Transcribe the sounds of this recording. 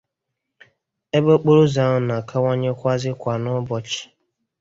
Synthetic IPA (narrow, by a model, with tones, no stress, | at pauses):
e˦bo˦k͡po˦ɾo˦za˨˦ŋʊ˨na˨kʰa˦wʷa˦ɲe˦kʷa˦zɪ˦kʷa˨nʊ˦bɔ˨t͡ʃɪ̥˨